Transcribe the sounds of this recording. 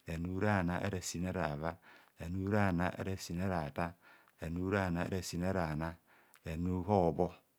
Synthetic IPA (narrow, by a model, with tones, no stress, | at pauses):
ɾe˨nu˦ɾa˦˨na˦ʔḛ˦ɾe˨si˨ne˦ɾa˨βa˦ɾe˨nu˦ɾa˦˨na˦ʔḛ˦ɾe˦si˨ne˦ɾa˨ta˦ | ɾe˨nu˦ɾa˦˨na̰˨˦ɾe˨si˨ne˦ɾa˨na˦˨ | ɾe˨nu˦ɦo˦˨bo˦